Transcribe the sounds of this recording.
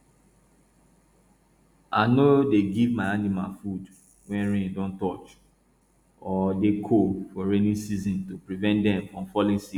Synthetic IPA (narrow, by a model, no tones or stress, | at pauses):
ʔanodeɡivmaanima̰lfud | wɛ̃nɹɛ̃ndɔ̃ntɔt͡ʃ | ɔdekʰofɔɹɛnĩsizĩntopɹivɛ̃ntdɛ̃mfɹɔ̃mfɔlĩnsi